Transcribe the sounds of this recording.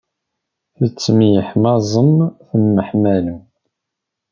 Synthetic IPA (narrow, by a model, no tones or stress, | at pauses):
θət͡sːəmijəħmɑzˤəmθəmːəħmæləm